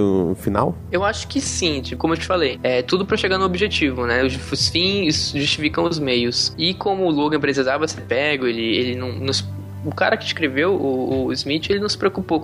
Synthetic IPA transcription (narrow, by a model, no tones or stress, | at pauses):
fina̰w | ewaʃʊ̥kɪsĩd͡ʒkõmʊewt͡ʃɪ̥falejɛt̪ud̪ʊpɾɐʃeɡaɾnʊobiʒet͡ʃivʊnɛʊʊsfĩsʒuʃt͡ʃifikɐ̃w̃ʊzmejʊsɪkõmʊːloɡɐ̃pɾesizavɐsepɛɡʊelɪelɪnɐ̃w̃nʊs | ʊka̰ɾɐkɪiskɾevewʊʊizmit͡ʃɪelɪnɐʊ̃w̃sɪ̥pɾeokupo